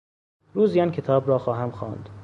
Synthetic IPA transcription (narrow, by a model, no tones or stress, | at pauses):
ɾuːzijɒːncʰe̞t̪ʰɒːbɾɒːxɒːɦæmxɑːnd̪